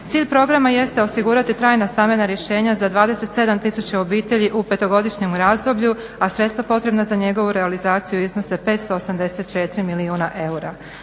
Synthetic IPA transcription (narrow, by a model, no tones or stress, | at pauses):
t̪siːʎʲpɾo̞ɡɾamaje̞st̪eo̞siɡuɾat̪it̪ɾaːjnast̪ambe̞naɾje̞ʃe̞ːɲazad̪ʋaːd̪e̞se̞t̪se̞d̪amt̪isut͡ɕao̞biːt̪e̞ʎiʔupe̞t̪o̞ɡo̞d̪iʃɲe̞mɾaːzd̪o̞bʎu | asɾet̪st̪vapo̞t̪ɾe̞bnazaɲe̞ɡo̞ʋuɾealizaːt̪sijuizno̞se̞pet̪st̪oosamd̪e̞set̪̚t͡ʃet̪ɾimiliuːnaʔe̞uɾa